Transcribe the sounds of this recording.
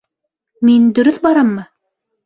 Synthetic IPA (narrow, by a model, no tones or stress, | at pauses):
mind̪ɵ̆ɾɵθbɑɾɑmːɤ